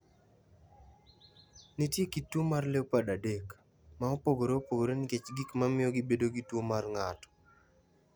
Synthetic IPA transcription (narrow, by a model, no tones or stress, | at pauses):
nitjekitwomarlewpadadek | maopoɡoɾeopoɡoɾenɪket͡ʃɡikmamɪjɔɡɪbedoɡitwomarŋatɔ̥